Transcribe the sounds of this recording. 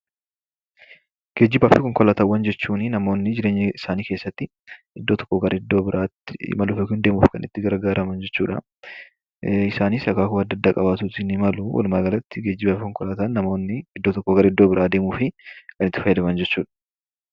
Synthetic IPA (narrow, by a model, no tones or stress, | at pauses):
ɡ̥eːd͡ʒːɪbaːfɪkɔŋkɔlaːt̪ɐwɐnd͡ʒɛt͡ʃːuːnɪnɐmo̞ːnːɪd͡ʒɪɾe̞ːɲːɛɪsaːniːke̞ːsːɐt̪ːɪ | ɪd̪ːoːt̪ɔ̥kːɔɡɐɾʔɪd̪ːo̞ːbɪɾʔaːt̪ːɪmɐluːfɛkɪnd̪e̞ːmṵːfkɐnʔɪt̪ːɪɡɐɾɡaːɾɐmɐnd͡ʒɛt͡ʃːṵːᶑɐ̰ | ɪsaːnisɐkaːkʊɐd̪ːɐd̪ːaːkʼɐbaːt̪uːɪnɪmɐluwɐ̰lmaːɡɐlɐt̪ːɪɡeːd͡ʒːɪbaːfɪkɔŋkɔlaːt̪anːɐmoːnːɪɪd̪ːoːt̪ɔkːoɡɐɾɪd̪ːoːbɪɾaːd̪e̞ːmuːfɪkɐnɪt̪ːɪfɐjːɐd̪ɐmɐnd͡ʒɛt͡ʃːuːᶑɐ̥